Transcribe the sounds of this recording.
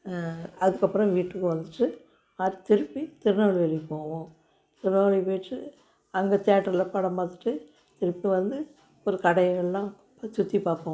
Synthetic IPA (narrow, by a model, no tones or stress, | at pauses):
ɐðɯkːɐpːɯɾɔ̃ʋiːʈːɯkːɯʋɐnd̪ɯʈːɯ | ɐɾt̪ɪɾɯpːit̪ɪɾɯnaːɭiʋɛɭipːoːʋõː | t̪ɪɾɯnaːɭipeːʈrɯ | ɐŋɡɐt̪jaːʈːɐɾɪlɐpɐɽɐmbaːt̪ɪʈːɯ | t̪ɪɾɯpːiʋɐnd̪ɯ | ɔɾɯkɐɽɐjɣɐɭlːãː | t͡ʃʊt̪ːipaːpːɐ̃ː